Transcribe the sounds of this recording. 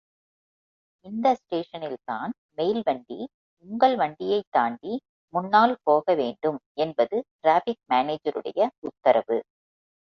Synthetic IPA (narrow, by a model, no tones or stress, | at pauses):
ɪnd̪ɐsʈeːʂɐnɪlt̪a̰ːn | mɛjlʋɐɳɖḭ | ʊŋɡɐɭʋɐɳɖɪjɐɪt̪ːaːɳɖi | mʊnːaːlpoːɣɐʋeːɳɖɯmɛnbɐðɯʈɾaːfɪk̚maːneːd͡ʒɐɾɯ̰ɽɐ̰jɐʊt̪ːɐɾɐʋɯ̰